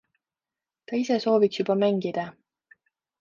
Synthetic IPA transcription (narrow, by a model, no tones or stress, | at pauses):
t̪ɑise̞so̞ːviksjubɑmæŋɡ̥id̪̥ɑ